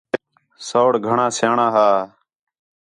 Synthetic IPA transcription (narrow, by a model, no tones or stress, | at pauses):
soːɽɡʱəɳãːsjaːɳãːɦaː